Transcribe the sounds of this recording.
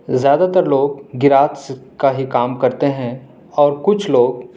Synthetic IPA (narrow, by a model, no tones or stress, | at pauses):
zjaːd̪at̪əɾloːɡ̚ɡɪɾaːt̪skaɦikaːmkɐɾt̪eɦɛ̃ | ɔːɾkʊt͡ʃʰloːɡ̚